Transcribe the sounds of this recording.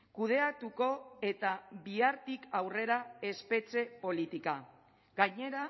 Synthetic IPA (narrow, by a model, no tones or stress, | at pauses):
kuð̞e̞at̪uko̞e̞t̪aβiaɾt̪ikawre̞ɾae̞spe̞t͡se̞po̞lit̪ika | ɡaɲe̞ɾa